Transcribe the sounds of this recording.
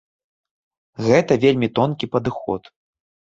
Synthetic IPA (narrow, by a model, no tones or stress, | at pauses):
ɣɛt̪ɐvʲelʲmʲit̪ɔnkʲipɐd̪ɨxɔ̰t̪